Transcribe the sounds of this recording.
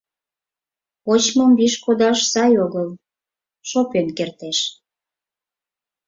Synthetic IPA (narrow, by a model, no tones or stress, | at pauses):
ot͡ɕmɤmbiʃkod̪ɑʃsɑjoɣəl | ʃopenkert̪eʃ